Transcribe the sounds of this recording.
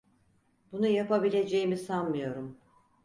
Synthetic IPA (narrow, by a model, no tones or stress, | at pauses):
b̥unujapabilʲe̞d͡ʒe̞jimisanmɯjo̞ɾum